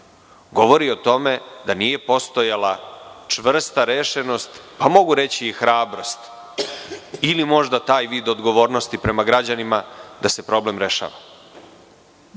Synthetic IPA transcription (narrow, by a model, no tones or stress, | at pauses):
ɡo̞ʋo̞ɾiot̪o̞me̞d̪aniːje̞po̞st̪o̞jalˠat͡ʂʋr̩st̪aɾeʃe̞no̞st̪pamo̞ɡuɾe̞t͡ɕiːxɾaːbɾost̪ | ilimo̞ʒd̪at̪aːjʋiːd̪o̞d̪ɡoʋo̞ːɾno̞st̪ipɾe̞maɡɾad͡ʑanimad̪ase̞pɾo̞ble̞mɾe̞ʃa̰ːʋa